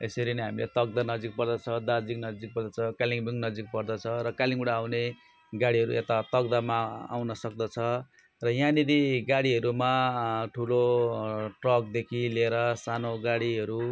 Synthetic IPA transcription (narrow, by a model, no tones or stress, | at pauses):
esʌɾiniɦamilḛt̪ʌɡ̚d̪anʌd͡zik̚pʌrd̪ʌt͡sʰʌd̪ad͡ziknʌd͡zik̚pʌrd̪ʌt͡sʰʌkaliŋbiŋnʌd͡zik̚pʌrd̪ʌt͡sʰʌɾʌkaliŋɡuɽaːwne | ɡaɽiɦʌɾṵʔet̪at̪ʌɡd̪amaa̰wnʌsʌk̚d̪ʌt͡sʰʌ | rʌjãnid̪iɡaɽiɦʌɾumaʈʰulo | ʈrʌk̚d̪ekʰileɾʌsanoɡaɽiɦʌɾu